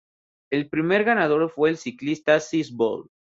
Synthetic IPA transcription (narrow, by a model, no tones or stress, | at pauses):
e̞lpɾime̞ɾɣanað̞o̞ɾfwe̞ːlsiklist̪asisbo̰l